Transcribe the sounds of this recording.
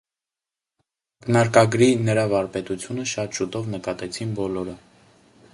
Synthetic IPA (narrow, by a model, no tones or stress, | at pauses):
knɑɾkɑɡɾinəɾɑvɑɾpɛt̪ut͡sʰjunəʃɑt̪ʃut̪ɔvnəkɑt̪ɛt͡sʰinbɔlɔɾə